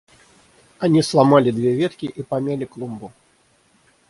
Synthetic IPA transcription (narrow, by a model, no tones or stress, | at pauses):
anʲislˠamalʲid̪vʲevʲɛt̪kʲiʔipamʲalʲiklˠumbu